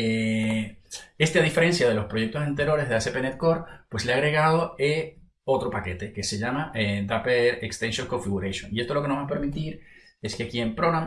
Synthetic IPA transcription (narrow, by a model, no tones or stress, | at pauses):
e | e̞st̪aðife̞ɾe̞nsjað̞e̞lo̞spɾo̞ʝe̞k̚t̪o̞sent̪e̞ɾjo̞ɾe̞zðeasepenet̪̚ko̞ɾpwe̞sleaɣɾe̞ɣaðo̞e | o̞t̪ɾo̞pake̞t̪e̞ke̞se̞ʝamaed̪apeɾekst̪ẽnsjoŋko̞ɱfiɣuɾesjõ̰nie̞st̪o̞loke̞noβape̞ɾmit̪iɾ | e̞skeakie̞mpɾonam